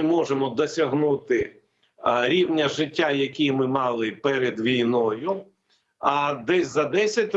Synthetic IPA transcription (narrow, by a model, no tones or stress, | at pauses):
mɔʒemɔd̪ɔsʲɐɦnut̪ɪ | ɾʲiwnʲɐʒɪtʲːajɐkʲijmɪmɑlˠɪpɛɾed̪ʋʲijnɔjʊ | ɐd̪ɛsʲzɐd̪ɛsʲɐtʲ